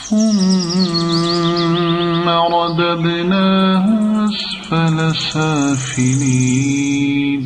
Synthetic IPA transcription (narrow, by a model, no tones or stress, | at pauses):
ʊm | aɾˤɑd̪ad̪naːɦʊʔas | falasaːfɪliː | n